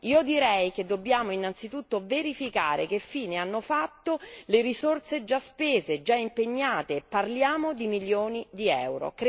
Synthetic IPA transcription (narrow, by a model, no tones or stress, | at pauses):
iːod̪iɾɛjked̪ːobːjaːmoinːant̪sit̪ut̪ːoveɾifika̰ːɾḛk̟efːiːneanːofat̪ːoleɾisort̪sed͡ʒaspeːzed͡ʒaimpeɲːaːt̪eːpːarljaːmod̪imiljoːnid̪iɛ̰wɾo̰k